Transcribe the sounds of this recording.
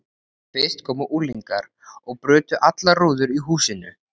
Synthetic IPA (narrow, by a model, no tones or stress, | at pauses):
fɪst̪kʰɔːmʏʔuːliŋkaɾ | ɔɣpɾʏːt̪ʏʔat̪laruːðʏɾiɦuːsɪnʏ̰